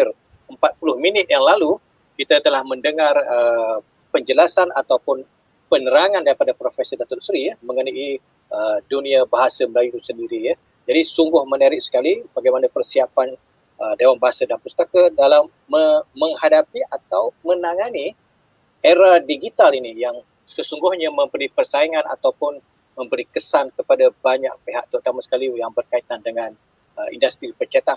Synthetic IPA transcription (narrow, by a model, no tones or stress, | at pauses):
ɪr | əmpat̪̚pulʊhminɪt̪̚jaŋlalu | kit̪at̪əlahməndəŋarə | pəɲd͡ʒəlasanat̪awpʊn | pənəɾaŋandaɾipadapɾofesidat̪ʊt̪sɾijəməŋənaʔi | ədunĩabaɦasaməlajut̪usəndiɾijə | d͡ʒadisuŋɡʊhmənaɾɪk̚sə̥kalibaɡajmanapərsiapan | ədewanbaɦasadanpust̪akadalamːəə̃ŋhadapiʔat̪awmə̃naŋani | eɾadiɡit̪alinijaŋ | səsuŋɡʊhɲamə̃mbəɾipərsaiŋãna̰t̪awpʊn | mə̃mbəɾikəsankəpadabaɲak̚peɦa̰ʔt̪ut̪amasə̥kalijaŋbərkait̪andəŋãn | əḭndast̪ɾipət͡ʃat̪a